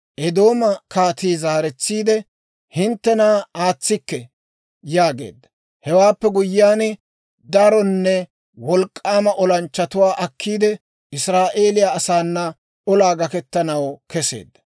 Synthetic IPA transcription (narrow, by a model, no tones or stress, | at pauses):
ʔɛd̪o̞ːmɐkaːt̪iːzaːɾɛt͡sːiːd̪ɛ | hɪnt̪ːɛnaːaːt͡sːɪkːɛ | jaːɡe̞̰ːd̪ːɐ | hɛwaːpːɛɡʊjːɪjaːn | d̪ɐɾɔnːɛ | wɔlkʼːaːmɐʔɔlɐnt͡ʃːɐt̪ʊwaːʔɐkʰːiːd̪ɛ | ɪsɾaːʔe̞ːlɪjaːsaːnːɐ | ʔɔlaːɡɐkɛt̪ːɐnɐwkɛse̞̰ːd̪ːɐ̥